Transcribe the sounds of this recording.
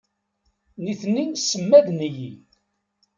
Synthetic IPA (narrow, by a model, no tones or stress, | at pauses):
niθninsəmːæðniji